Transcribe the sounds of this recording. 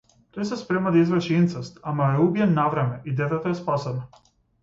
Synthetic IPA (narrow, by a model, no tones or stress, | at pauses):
t̪ojsɛspɾɛmad̪aizvɛɾʃiint̪sɛst̪amaɛubijɛnːavɾɛmɛʔid̪ɛt̪ɛt̪oɛspasɛna